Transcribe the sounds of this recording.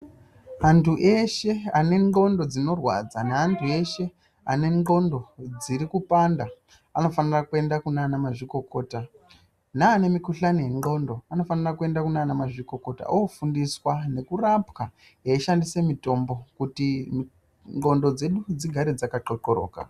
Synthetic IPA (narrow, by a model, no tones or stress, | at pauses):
antʰuʔe̞ʃe̞ane̞ŋɡo̞ndo̞d͡zino̞rwa̰d͡zanaantʰue̞ʃe̞ | ane̞ŋɡo̞ndo̞d͡ziɾikupanda | ano̞fanirakue̞ndakunanamaʐiko̞ko̞ːta | naːne̞mikuɬanijeŋɡo̞ndo̞ano̞fanirakue̞ndakunanamaʐiko̞ko̞ta̰ʔofundiswane̞kurapka | ɦeiʃandise̞mito̞mbokutim | ŋɡo̞ndo̞d͡ze̞ɗud͡ziɡʱaɾed͡zakaǃoǃoɾo̰ːka̰